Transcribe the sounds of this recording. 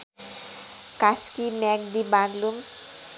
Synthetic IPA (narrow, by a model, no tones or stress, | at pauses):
kaskimɛkd̪ibãnlum